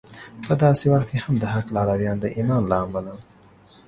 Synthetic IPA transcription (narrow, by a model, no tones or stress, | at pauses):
pəd̪ɑsewaxt̪̚kehamd̪əhaklɑɾawjɑnd̪əʔimɑnlaːmalan